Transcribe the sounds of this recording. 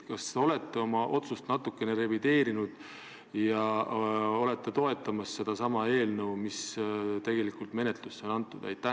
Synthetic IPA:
kɑst̪o̞le̞t̪ːˑeo̞mɑʔo̞t̪sust̪nɑt̪ːˑukːˑe̞ne̞ɾe̞vid̪e̞ːɾinud̪̥ | jɑ | o̞le̞t̪ːet̪o̞e̞t̪ːˑɑmɑsse̞d̪̥ɑsɑmɑe̞ːlnɤwmist̪e̞ɡ̥e̞likːˑult̪me̞ne̞t̪luseo̞nɑnt̪ːˑud̪æ̰jt̪ːˑæ

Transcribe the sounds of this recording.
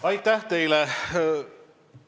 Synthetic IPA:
ɑjt̪ːæht̪e̞jlɛ

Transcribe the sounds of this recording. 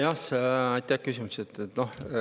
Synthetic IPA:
jɑsɑjt̪ʲːˑæhkysimuset̪ːet̪noh

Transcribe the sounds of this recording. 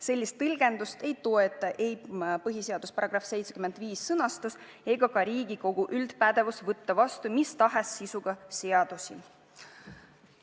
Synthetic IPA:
se̞lʲːist̪ːɯlɡ̥e̞nd̪ust̪e̞jt̪o̞e̞t̪ːˑɑʔe̞jpɤɦise̞ɑd̪̥uspɑɾɑɡ̥rɑfse̞jt̪sekyme̞nd̪̥viːsːɤnɑst̪us | e̞ɡ̥ɑkɑɾiːɡ̥iko̞ɡ̥uʔyld̪̥pæd̪̥e̞vusvɤt̪ːɑvɑst̪umist̪ɑɦesːisuɡ̥ɑseɑd̪̥usi

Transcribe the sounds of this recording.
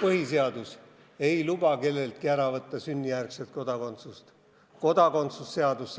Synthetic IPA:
pɤɦise̞ɑd̪us | e̞jlub̥ɑke̞lːe̞lt̪̚kiæɾɑvɤt̪ːɑsynʲːijærkse̞lt̪̚ko̞d̪̥ɑko̞nt̪sust̪ | ko̞d̪̥ɑko̞nt̪susːe̞ɑd̪us

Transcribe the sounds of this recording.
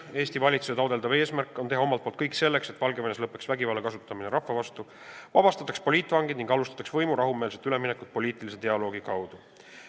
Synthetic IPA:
e̞ːst̪ivɑlʲit̪suset̪ɑwd̪eld̪ɑve̞ːsmærkːˑo̞nt̪e̞ɦɑo̞mɑlt̪̚polt̪kɤjkse̞lːe̞kse̞t̪vɑlɡeveneslɤpːˑe̞ksvæɡivɑːlːekɑs̬ut̪ːˑɑmineɾɑhːɑvɑst̪u | vɑb̥ɑst̪ɑt̪ːˑɑkspo̞lʲiːt̪ːˑvɑŋɡid̪niŋɡ̥ɑlust̪ɑ̥t̪ɑksvɤjmuɾɑɦume̞ːlset̪ːˑyle̞mine̞kːˑud̪̥̚po̞lʲiːt̪ˑilise̞t̪e̞ɑlo̞ːɡ̥ikɑwd̪̥u

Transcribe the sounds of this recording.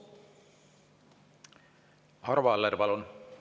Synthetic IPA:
hɑɾvɑleɾpɑlun

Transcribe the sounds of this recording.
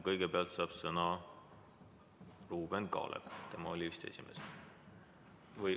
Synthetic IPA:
kɤjɡ̥epeɑlt̪sɑːb̥sɤnɑ | ruːb̥e̞nkɑ̰ːlʔḛpt̪e̞mɑolʲiist̪e̞̰sʲime̞̰s | vɤj

